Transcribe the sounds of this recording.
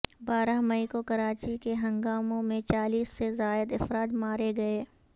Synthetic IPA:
baːɾaɦmɐikokɐɾaːt͡ʃikeɦɐ̃ŋɡaːmõmẽt͡ʃaːliːsːezaːɪd̪ɪfɾaːt̪maːɾeɡɐeː

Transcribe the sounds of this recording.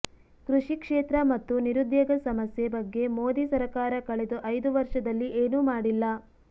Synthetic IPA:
kɾuʂikʂeːt̪ɾɐmɐt̪ːuniɾud̪jɐɡɐsɐmɐsjebɐɡːe̞mo̞ːd̪isɐɾɐkaːɾɐkɐɭed̪uʔɐjd̪uʋɐɾʂɐd̪ɐlːiʔeːnuːmaːɽilːɐ

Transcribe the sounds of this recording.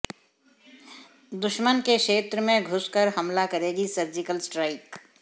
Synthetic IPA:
d̪ʊʃmənkeʃeːt̪ɾəmẽɡʱʊskəɾɦɐmlakɐɾeːɡisɐɾd͡ʒɪkəlsʈɾaːɪk

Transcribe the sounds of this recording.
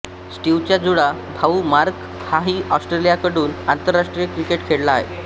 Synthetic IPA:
sʈiʋt͡ɕjad͡zuɽabʱaumaɾk | haɦiːʔɔsʈɾelijakəɽuːnant̪əɾːaʂʈɾijəkɾikeʈkʰeɽlaːɦḛ

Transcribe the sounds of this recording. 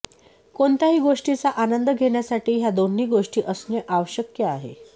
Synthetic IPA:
koɳt̪aɦiːɡoʂʈit͡saʔanənd̪əɡʱeɽjasaʈiːɦjad̪oniːɡoʂʈiːʔəsnəʔaʋəɕəkjəaɦḛ

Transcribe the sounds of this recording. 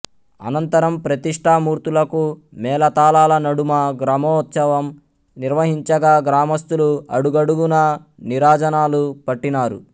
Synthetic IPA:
ɐ̰nɐnt̪ɐɾɐmpɾɐt̪iʂʈʰaːmuːɾt̪ulɐkumɛːlɐt̪aːlaːlɐnɐɽumɐɡɾaːmɔːt̪sɐʋɐm | niɾʋɐɦiɲt͡ʃɐɡaːɡɾaːmɐst̪uluɐ̰ɽuɡɐɽuɡunɐ | niɾaːd͡ʒɐnaːlupɐʈːinaːɾṵ

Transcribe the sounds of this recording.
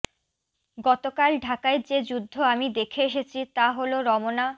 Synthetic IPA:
ɡɔt̪okalɖʱakaeɾd͡ʑed͡ʑud̪ʱːoamid̪ekʰeeʃet͡ɕʰit̪aɦoloɾɔmona

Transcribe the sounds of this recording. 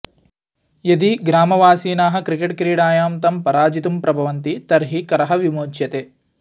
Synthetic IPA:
jɐd̪iɡɾaːmɐʋaːsiːnaːɦɐ̆kɾikeʈkɾiːɽaːjaːmt̪ɐmpɐɾaːd͡ʒit̪umpɾɐbʱɐʋɐnt̪it̪ɐɾɦikɐɾɐɦɐʋimoːt͡ʃjɐt̪eː

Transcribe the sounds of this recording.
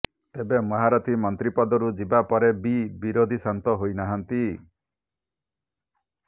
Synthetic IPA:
t̪ebemɔɦaɾɔt̪ʰimɔnt̪ɾipɔd̪ɔɾud͡ʒibapɔɾebibiɾod̪ʱisant̪ɔɦojnaɦant̪i

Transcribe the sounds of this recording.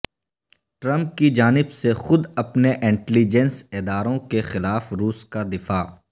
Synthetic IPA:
ʈɾɐ̃mp̚kid͡ʒaːnɪbsexʊd̪ɐpneʔɪ̃ɳʈɛlid͡ʒɛnsɪd̪aːɾõkexɪlaːfɾuːskad̪ɪfaː

